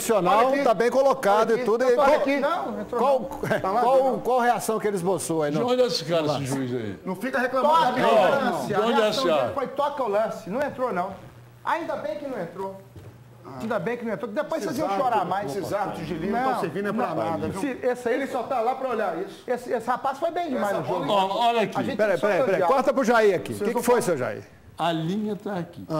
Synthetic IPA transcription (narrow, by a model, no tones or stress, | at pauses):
sionawt̪abẽj̃kolokad̪ʊɪud̪ʊknɐ̃w̃ẽt̪ɾokwaw | ɛt̪alakwawkwawheasɐ̃w̃kɪelɪzbosoainõd͡ʒ̪ɛsɪkaɾɐsɪʒuiza̰ḭnɐ̃w̃fikɐheklɐ̃mɔ̃ɐ̃saõd͡ʒɛ̃afojt̪ɔkɐʊlɐ̃sɪnɐ̃w̃ẽnt̪ɾonɐ̃w̃ | a̰ĩnd̪ɐbẽj̃kɪnɐ̃w̃ẽnt̪ɾo | ĩd̪ɐbẽj̃kɪnɐ̃ẽt̪ɾokɪd̪epojseziɐ̃ʃoɾaɾmajsszat̪ʒilĩɐ̃seɾvinɐ̃pamaad̪ɐ̃siesaelɪsɔt̪alapɾɐoʎaɾisʊ̥esɪesɪhapasfojbẽj̃d͡ʒɪmajzʊʒolɔɔʎɐkẽt͡ʃpɛɾɐjpɛɾɐjpɾɛkɔɾt̪ɐpɾʊʒaiɐkḭekɪkkɪfojsewʒa̰ḭ | ɐlĩɲɐt̪aːkia